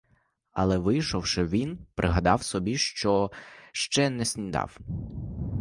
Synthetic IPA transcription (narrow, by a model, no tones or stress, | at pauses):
ɐlˠɛʋɪjʃɔwʃɪʋʲinpɾʔɪɦɐd̪ɑwsɔbʲiʃt͡ʃɔʃt͡ʃɛnɛsʲnʲid̪ɑ̰w